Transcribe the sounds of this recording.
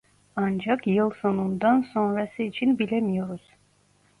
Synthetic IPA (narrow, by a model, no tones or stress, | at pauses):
ɑnd͡ʒakjɯlˠso̞nund̪anso̞nɾasɯit͡ʃʰinbilʲemijo̞ɾuz̥